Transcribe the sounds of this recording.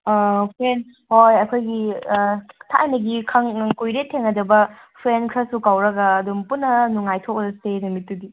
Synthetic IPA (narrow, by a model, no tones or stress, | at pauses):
pʰɾen | hojɐkʰojɡi | tʰajnɐɡikʰɐŋkujɾetʰːeŋɐdɐbɐ | pʰɾenkʰɾɐsukawɾɐɡɐːdumpunːɐnuŋːajtʰokzɐsedɐmitːudi